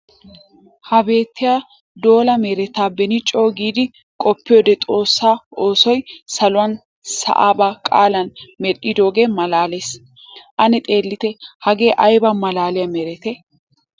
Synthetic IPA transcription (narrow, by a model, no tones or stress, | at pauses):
hɐbe̞ːt̪ːɪjaː | d̪o̞ːlɐmeːɾɛt̪aːbɛnɪt͡ʃʼo̞ːɡiːd̪ɪ | kʼɔpːɪjoːd̪ɛt̪ʼo̞ːsːaːoːsɔjsɐlʊwɐn | sɐ̰ʔa̰ːbaːkʼa̰ːlɐnmɛɗɪd̪o̞ːɡeːmɐlaːleːs | ʔɐnɛt̪ʼe̞ːlːɪt̪ɛhɐɡe̞ːʔɐjbɐmɐlaːlɪjɐmeːɾɛt̪ɛ